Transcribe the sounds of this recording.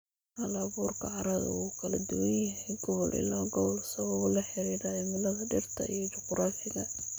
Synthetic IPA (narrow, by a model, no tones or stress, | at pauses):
ɐlaːβuːrkʰɐʕɑɾɐðɐ̰ukʰɐlɐd̪ʊwɐnjɐɦɛjɡɔβɔlʔɪ̰laːɡɔwlsɐɣɔʊlɐħɪɾiːɾajɛmɪlɐðɐɖɪrt̪ʰɐ̰ijɔd͡ʒɔqɾaːfɪɣɐ